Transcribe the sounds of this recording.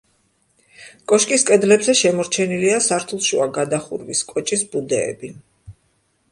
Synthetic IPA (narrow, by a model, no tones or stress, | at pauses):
kʼɔʃkʼiskʼɛd̪lɛbzɛʃɛmɔɾt͡ʃʰɛniliasaɾt̪ʰulˠʃṵaɡad̪aχṵɾviskʼɔt͡ʃʼisbud̪ɛ̰ːbi